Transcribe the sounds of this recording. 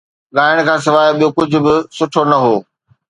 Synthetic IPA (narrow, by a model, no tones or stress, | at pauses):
ɠaːɪəɽ̃̆kʰãːs̬ɪʋaːɪɓijokʊd͡ʑʱʊ̆bɪsʊʈʰonɐɦoː